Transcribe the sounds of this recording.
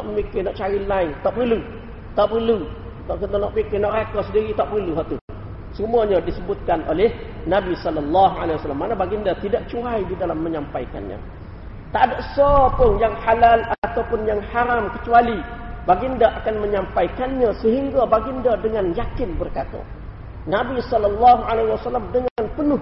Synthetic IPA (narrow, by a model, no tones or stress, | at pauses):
nɔʔməmikɪnɔʔt͡ʃaɾilaɪŋt̪aʔpərlu | t̪aʔpərlu | ət̪anɔʔpikɪnɔʔɾakɔsədiɾit̪aʔpərluɦaʔt̪u | səmuaɲadisəbʊt̪̚kanʔo̰lɛhnabisɔləlːaɦalaiwasalːamːanabaɡindat̪idaʔt͡ʃuajdidalamːəɲampajka̰nɲa̰ | t̪aʔdaʔsɔpʊnjaŋħalalat̪awpʊnjaŋhaɾamkət͡ʃualibaɡindaʔakanməɲampaikanɲasəɦiŋɡabaɡindadəŋanjakɪnbərkat̪a̰ | nabisɔlɔlːɔɦuʕalawasalamdəŋanpənʊh